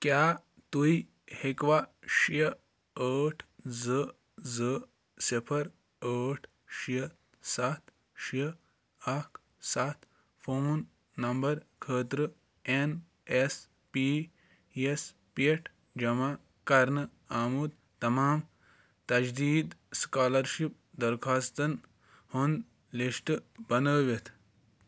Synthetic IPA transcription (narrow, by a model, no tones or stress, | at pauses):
kjaː | t̪uji | hekʋaʃjɐ | əːʈʰzə | zɨə | sipʰɐɾ | əːʈʰ | ʃjə | sɐt̪ʰ | ʃjə | ɐkʰ | sɐt̪ʰ | fʰoːnː | ɐmbɐɾkʰəːt̪ɾə | en | es | pi | es | peʈʰ | d͡ʒɐma | kɐɾnɨ | aːmud̪ | t̪ɐmaːm | t̪ɐd͡ʒd̪iːd̪skaːlɐɾʃip̚ | d̪ɐɾkʰaːst̪ɐn | hund̪ | liʃʈbɐnəːʋet̪ʰ